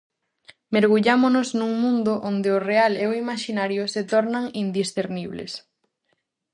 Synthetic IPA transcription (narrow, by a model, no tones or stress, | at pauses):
meɾɣuʎamonʊznuŋmũnd̪ʊʔond̪eʊrealeoimaʃinaɾjʊset̪ɔɾnaŋind̪isθeɾniβlḛs